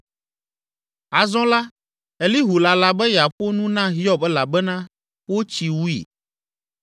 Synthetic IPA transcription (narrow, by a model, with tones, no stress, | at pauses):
a˨zɔ̃˦la˦ | e˨li˦ɦu˨la˨la˨bɛ˦ja˨ɸo˦nũ˦nã˦ɦi˦ɔ˦bɛ˦la˨bɛ˦nã˦ | wo˦t͡ʃi˨wu˦ḭ˨